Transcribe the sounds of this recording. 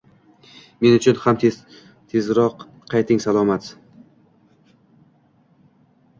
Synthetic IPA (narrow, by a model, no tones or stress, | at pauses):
me̞nʊt͡ʃʰʊnhamt̪ | t̪ʰe̞zɾɒqʰː | ɑjt̪ʰɪŋsalˠɒmat̪